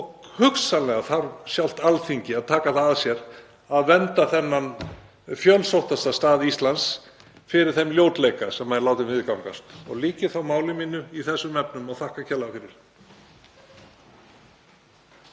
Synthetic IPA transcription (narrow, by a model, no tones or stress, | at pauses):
ɔɣhʏksanlɛɣaθaɾsjawl̥t̪alθiɲcɪaðt̪ʰaːkaθaasjɛɾ | aðvɛnt̪aθɛnːan | fjœlsowht̪ast̪ast̪aːðist̪lans | fɪɾɪɾ̥θɛmljoːwt̪lejkasɛmːaðnlaːwt̪ɪmvɪðkawŋkast̪ɔ̰ɣliːcɪθawmaːwlɪmɪnːʏiθɛsːʏmɛpnʏmawθahkacʰɛlafɪɾɪɾ̥